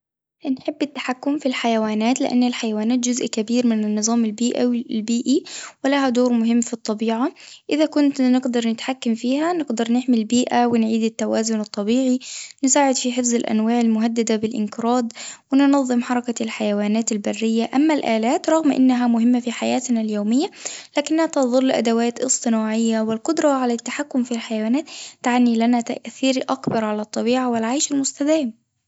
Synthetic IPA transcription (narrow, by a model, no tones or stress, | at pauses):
anħɪbːɪt̪ːḁħakːʊmfilħajawaːnaːt̪lɪ̰ʔa̰nːalħajawaːnaːt̪̚d͡ʒʊzʔkabiːɾmɪnɪnːɨzˤɑːmalbiːʔilbiːʔiwɪlahad̪oːɾmʊɦɪmːfit̪ˤːɑbiːʕaʔɪðakʊnt̪nɪɡd̪ɑɾˤnɪt̪ħakːamfiːɦanɪɡd̪ɑɾˤnɪħmilbiːʔawɪnʕiːd̪ɪt̪ːawaːzʊnɨt̪ˤːɑbiːʕinɪsaːʕɪd̪fiħɪfzɪlʔa̰nwaːʕɪlmʊɦad̪ːad̪abɪlʔɪ̰nkɪɾɑːd̪wɪnnɑðˤːɨmħɑɾˤɑkalħajawaːnaːt̪albarːɪjːaʔamːalʔaːlaːt̪ɾˤɑɣmʔɪ̰nːaɦamʊɦɪmːafiħajaːt̪naljoːmɪjːalaːkɪnːhat̪ɑðˤɑlːʔa̰d̪awaːt̪ʔɨ̰sˤt̪ˤɨnaːʕɪjːawɪlqʊd̪ɾˤɑʕalat̪ːaħakːʊmfilħajawaːnaːt̪ːaʕnilanat̪a̰ʔθiːɾʔakbɑɾˤʕalat̪ˤːɑbiːʕawɪlʕajʃalmʊst̪ad̪aːm